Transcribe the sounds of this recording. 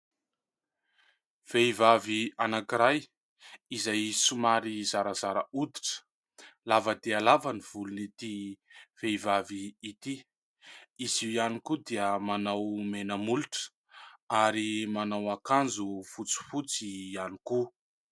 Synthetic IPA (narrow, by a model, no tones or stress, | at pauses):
v̥ejvavianakiɾaj | izajsumaɾizaɾəzaɾəud̪i̥ʈ͡ʂə̥ | lavəd̪iəlavəniv̥ulunit̪iv̥ejvaviit̪i | iziianikud̪iəmanawmenəmuluʈ͡ʂə̥ | aɾimanawakand͡zufut͡si̥fut͡siani̥ku